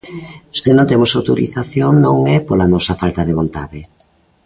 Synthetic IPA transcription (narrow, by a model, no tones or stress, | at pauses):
senat̪emʊsawt̪oɾḭθaθjoŋnõŋɛpolanɔsɐfalt̪aðeβ̞ont̪a̰ðɪ